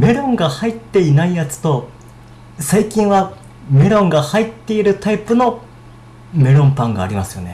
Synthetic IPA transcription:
me̞ɾõ̞ŋɡahait̪ːe̞inaijat͡sɨ̥t̪o̞ | saikʲĩɰ̃βa | me̞ɾõ̞ŋɡahait̪ːe̞iɾɯ̟t̪aipɯ̟no̞ | me̞ɾõ̞mpãŋɡa̰ːɾʲimasɨjo̞̰ne̞

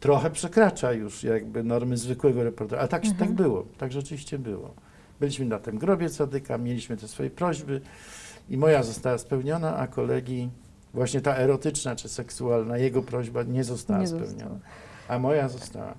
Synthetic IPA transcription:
t̪ɾɔxɛpʂɛkɾat͡ʂajuʂjaɡ̚bɘnɔɾmɘzvɘkwɛɡɔɾɛpɔɾt̪ɛɾaɛt̪akɛt̪aɡbɘwɔ̰t̪aɡʐɛt͡ʂɘvʲiɕt͡ɕɛbɘwɔ̰ | bɘlʲiɕmɘnat̪ɛmɡɾɔbʲjɛsad̪ɘkamʲjelʲiɕmɘt̪ɛsfɔjɛpɾɔʑbɘ | imɔjazɔst̪awaspɛwɲɔnaʔa̰kɔlɛɡʲji | vwaɕɲɛt̪aɛɾɔt̪ɘt͡ʂnat͡ʂɘsɛksualnajɛɡɔpɾɔʑbaɲɛzɔst̪awaspɛ̰wɲɔ̰na | amɔjazɔst̪a̰wa̰

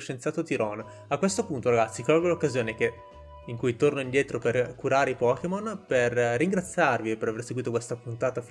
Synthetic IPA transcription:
ʃent̪sjaːt̪ot̪iɾɔn | akːwest̪opunt̪oɾaɡat̪sːikɔlɡolokːazjoːnek̟e | iŋkujt̪ornoind̪jɛːt̪ɾoperkuɾaːɾeipɔkemonperːiŋɡɾat̪sːjarviepeɾaverseɡwiːt̪okwest̪apunt̪aːt̪af

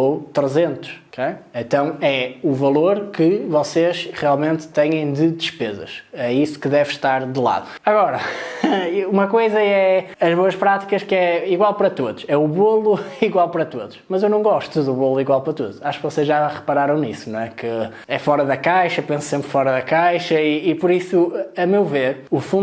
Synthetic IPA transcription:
ot̪ɾɨzẽnt̪u̥ʃkejẽnt̪ɐ̃w̃ɛuvɐlˠoɾkɨvɔseʃʁialˠmẽnt̪t̪ɐɲɐ̃j̃d̪ɨd̪ɨʃpezɐ̰ʃɛisu̥kɨðɛvʃt̪aɾðɨlˠa̰ðuɐɣɔɾɐ | umɐkojzɐɛɐʒβoɐʃpɾat̪i̥kɐʃkɛiɣwalˠpɐɾɐt̪oðuʃɛuβolˠuiɣwalˠpɐɾɐt̪oðuʃmɐzewnɐ̃w̃ɡɔʃt̪uðuβolˠuiɣwalˠpɐɾɐt̪oðuʃaʃu̥kvɔsezʒʒaʁɨpɐɾaɾɐ̃w̃nisunw̃ɛkɨ | ɛfɔɾɐðɐkajʃɐpẽssẽmpɾfɔɾɐðɐkajʃɐiːpɔɾisuɐmewveɾufũ

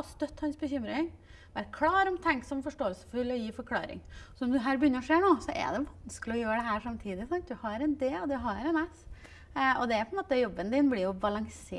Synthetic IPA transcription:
ɔst̪œt̪ːhɑnsbəçʏmɾɪŋ | ʋæʈkʰlɑːɾɔmt̪ʰɛŋksɔmfɔʂʈoːəlsə̥fʉlːɔjiːfɔɾkʰlɑ̰ːɾɪ̰ŋsɔɔd̪ʉɦæːɾbəjʏnːəɾɔʂeːɳoːsɔʔɛ̰d̪ɛʋɑnsklɪɔjøːɾəɖɛɦæːɾʂɑmt̪ʰiːd̪ɪsɑnt̪̚d̪ʉhɑɾɛnd̪eːd̪ɛɦɑɾɛnɛs | ɔd̪ɛæɾpʰɔɛnmoːt̪əjɔbːənd̪ɪnblɪjʊbɑlɑŋsḛː

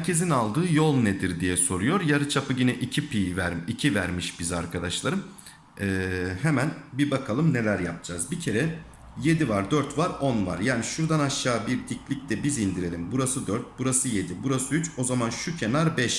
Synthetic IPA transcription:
hæɾcʰe̞zinalˠd̪ɯːjo̞lˠned̪iɾd̪ijɛso̞ɾujo̞ɾjaɾɯt͡ʃʰapʰɯɟinɛʔicʰipʰiːvæɾicʰivæɾmiʃbiza̰ɾkʰad̪aʃlˠaɾɯm | ɛːhemænbibakʰalˠɯmne̞lʲæɾja̰p̚d͡ʒazbicʰe̞ɾɛ | je̞d̪ivaɾd̪øɾt̪vaɾo̞nva̰ɾjaːniʃuɾd̪anaʃːaːbiɾd̪iclʲic̚t̪ʰɛbizind̪iɾe̞lʲimbuɾasɯd̪øɾt̪̚buɾasɯje̞d̪ibuɾasɯyt͡ʃo̞zamanʃucʰe̞naɾbɛʃ

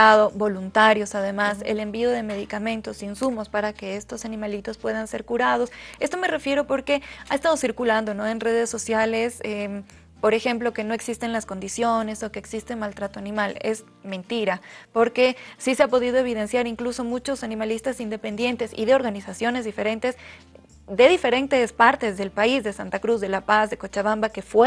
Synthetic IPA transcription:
aðo̞bo̞lunt̪aɾjo̞saðe̞mase̞̰le̞mbio̞ðe̞me̞ðikamẽ̞nt̪o̞sinsumo̞spaɾake̞est̪o̞sanĩmalit̪o̞spwe̞ð̞anse̞ɾkuɾað̞o̞se̞st̪o̞me̞re̞fje̞ɾo̞po̞ɾke̞aest̪að̞o̞siɾkuland̪o̞no̞e̞nre̞ð̞e̞sːo̞sjale̞se | po̞ɾe̞xe̞mplo̞ke̞no̞e̞ksist̪e̞nlasko̞nd̪isjo̞ne̞so̞ke̞ːksist̪e̞malt̪ɾat̪oanĩmale̞̰z | mẽ̞nt̪iɾapo̞ɾke̞sise̞apo̞ðið̞o̞eβ̞ið̞e̞nsjaɾiŋkluso̞mut͡ʃo̞sanĩmalist̪asind̪e̞pe̞nd̪je̞nt̪e̞sḭðe̞o̞ɾɣanisasjo̞ne̞zðife̞ɾe̞nt̪ez | ðe̞ðife̞ɾe̞nt̪e̞spaɾt̪e̞zðe̞lpaizðe̞sant̪akɾuzðe̞lapazðe̞kot͡ʃaβambake̞fwe

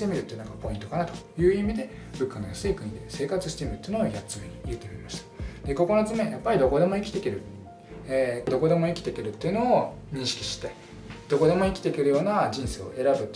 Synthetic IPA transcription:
t̪e̞mʲiɾɯ̟t̪ːeinãkapo̞ĩnt̪o̞kanat̪o̥jɯ̟ːimʲid̪e̞ | bɯ̟kːano̞jasɨikɯ̟̃ɲ̟id̪ese̞ːkat͡sɨɕi̥t̪e̞mʲiɾɯ̟t̪ːeiɯ̟noojat͡sɨmeɲ̟ijɯ̟t̪ːeɾʲemaɕi̥t̪ḁd̪e̞ko̞ko̞not͡sɨmejapːaɾʲid̪o̞ko̞d̪e̞mo̞ikʲt̪e̞keɾɯ̟ | eːd̪o̞ko̞d̪e̞mo̞ikʲi̥t̪e̞keɾɯ̟t̪ːe̞iɯ̟no̞ː | ɲ̟ĩɰ̃ɕi̥kʲi̥ɕi̥t̪e̞ | d̪̥o̞ko̞d̪e̞mo̞ikʲi̥t̪e̞keɾɯ̟jo̞ːnaʑĩɰ̃se̞ːo̞̰ʔe̞ɾabɯ̟t̪ː

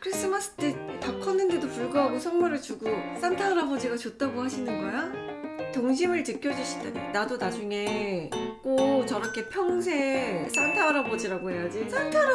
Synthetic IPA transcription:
kʰɯɾis͈ɯmas͈ɯ̥t͈e̞takʰʌnːɯnde̞dopuɭɡaɦaɡosʰʌŋmʌɾɯɭt͡ɕuɡos͈antʰaːɾabod͡ʑiɡat͡ɕot̚t͈aɡohaɕʰinɯnɡʌjatoŋɕ̬ʰimɯɭt͡ɕɯkʰjʌd͡ʑuɕʰi̥da̰nenadonad͡ʑuŋe̞ | k͈ot͡ɕʌɾʌkʰe̞pʰjʌŋsʰe̞s͈antʰaːɾabod͡ʑiɾaɡoɦe̞jad͡ʑis͈antʰaɾ

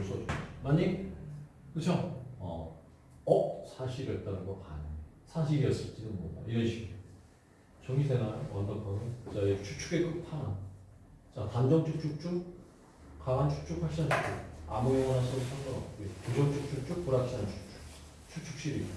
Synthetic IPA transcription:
s͈od͡ʑmaɲik | kɯt͡ɕʰʌʌ̰ | ʌk̚sʰaɕʰiɾʌt̚t͈aɾuɡopaɲa | sʰaɕʰiɡiʌs͈ɯɭt͡ɕ͈inɯnmoda̰jʌnɕʰim | t͡ɕʌŋisʰeŋaɯwʌndʌkʌnɯnt͡ɕʌet͡ɕʰuk̚t͡ɕʰuɡekɯk̚tʰaŋan | t͡ɕatand͡ʑʌŋt͡ɕʰuk̚t͡ɕʰuk̚t͡ɕ͈ʰuk̚ | kaɡant͡ɕʰu̥k̚t͡ɕʰukʰaɭɕʰiant͡ɕʰu̥k̚t͡ɕʰukamujʌŋʌnasʰʌsʰʌŋd͡ʑʌŋʌketud͡ʑʌŋt͡ɕʰuk̚t͡ɕʰuk̚t͡ɕ͈uk̚puɾaɕ͈ʰiant͡ɕʰu̥k̚t͡ɕʰu̥k | t͡ɕʰuk̚t͡ɕʰuk̚ɕ͈iɾia

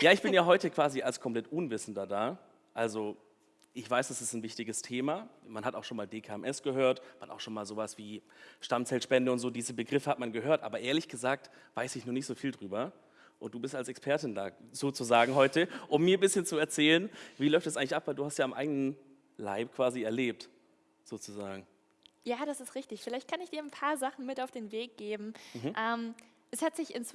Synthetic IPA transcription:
jaːɪçb̥ɪnjaːɦɔʏtəkv̥aːzialskʰɔmpl̥ɛtʔʊnvɪsn̩dɐdaː | ʔalzo | ʔɪçv̥aɪsd̥asɪstnvɪçtɪɡəstʰeːmamanɦataʊxʃoːnmaːldeːkʰaːɛmʔɛsɡ̥əɦøːɐtmanʔa̰ʊxʃoːnmaːlzoːvasv̥iːʃtamt͡sɛlʃpɛndəʊntz̥oːdiːzəbəɡʁɪfəhatmanɡəɦøːɐtʔaːbɐʔeːɐlɪçɡ̥əzaːk̚t | v̥aɪsɪçnuːnɪçtz̥oːfiːldʁyːbɐ | ʔʊnt̚d̥uːbɪstalsɛkspʰɛɐtɪnda̰ːz̥oːt͡suzaːɡŋ̩ɦɔʏtəʔʊmːiːɐbɪsçənt͡suɛɐt͡sɛːlənviːlɔʏftd̥sʔaɪŋlɪçʔapv̥aɪlduːhastjaːamʔa̰ɪɡənən | la̰ɪpkʰv̥aːziɛɐleːp̚t | z̥oːt͡suzaːɡŋ̩ | jaːɾasɪstʁɪçtɪçfɪlaɪçt̚kʰanɪçd̥iːɐnpʰaːɐzaχn̩mɪtaʊfd̥eːnveːk̚ɡ̥eːbm̩ʔɛːm | ʔɛshatz̥ɪçɪnt͡s

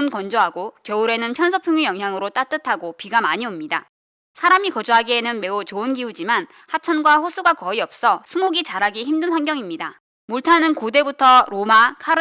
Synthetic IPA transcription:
nkʌnd͡ʑoɦaɡokjʌuɾe̞nɯnpʰjʌnsʰʌpʰjuŋjujʌŋɦjaŋɯɾot͈at͈ɯtʰaɡopiɡamaɲiomɲida̰ | sʰaɾamikʌd͡ʑuɦaɡienɯnme̞ut͡ɕoɯnɡiud͡ʑiman | hat͡ɕʰʌnɡwaɸosʰuɡakʌiʌp̚s͈ʌsʰumoɡit͡ɕaɾaɡiçimdɯnɸwanɡjʌŋimɲida | muɭtʰanɯnkode̞butʰʌɾomakʰa

